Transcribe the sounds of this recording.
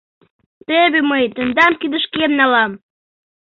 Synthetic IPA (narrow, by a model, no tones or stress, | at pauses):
t̪eβeməjt̪ə̆nd̪ɑmkid̪əʃkemnɑlɑm